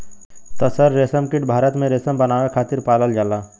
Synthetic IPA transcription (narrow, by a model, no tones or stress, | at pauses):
t̪ɔsəɾːeːsəmkɪʈ̚bʱaːɾət̪mẽɾeːsəmbənaːwakʰaːt̪ɪɾpaːləld͡ʒaːlaː